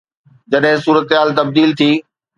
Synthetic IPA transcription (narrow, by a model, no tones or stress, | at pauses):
d͡ʑɐɗɦɪ̃suːɾət̪ɦaːlt̪ɐb̚d̪iːlt̪ʰiː